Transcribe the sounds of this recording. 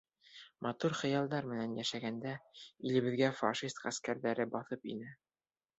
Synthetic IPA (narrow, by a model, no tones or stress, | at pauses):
mʔɑt̪uɾχɤ̆jɑlˠd̪ɑɾmɘ̆nænjæʃæɡænd̪æilɘ̆βɘ̆ðɡæfɑ̰ʃist̪qæskæɾðæɾɘbɑθɤpḭnɘ